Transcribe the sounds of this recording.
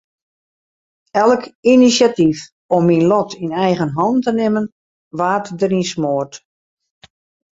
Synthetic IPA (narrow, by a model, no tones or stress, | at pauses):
ɛlˠkinisjatif | ɔmːinlɔtʰinɛjɣənɦɑntənɪmən | ʋaːtdəɾinsmoərt